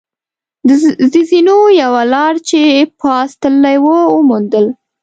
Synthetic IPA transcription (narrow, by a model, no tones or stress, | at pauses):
d̪əzəzinojawalɑɽt͡ʃepʰɑst̪əlːajwəəmund̪əl